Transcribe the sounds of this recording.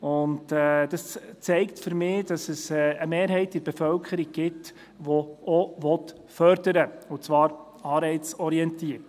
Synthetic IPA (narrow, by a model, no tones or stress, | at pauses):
ʊntɛd̥ɑst͡sɛɪktfʏɾmɪːd̥ɑsəsɛːəmeːɾɦɛɪtɪɾb̥ɛfœlkʰəɾiɡ̚ɡ̥ɪt | ʋɔoʋɔt | fœɾdəɾəʊt͡svɑːɾ | ɑːɾbɛɪt͡sɔɾiɛntiːəɾt